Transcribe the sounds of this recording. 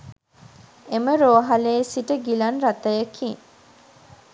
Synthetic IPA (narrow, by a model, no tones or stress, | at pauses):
eməɾoːɦaleːsiʈəɡilɐnɾat̪ɐjəkʰiŋ